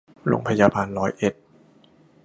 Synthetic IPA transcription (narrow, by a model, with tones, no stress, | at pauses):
lo̰˧˩ŋpʰa˧jaː˧baː˧nɾɔː˦˥jʔe˨˩t̪̚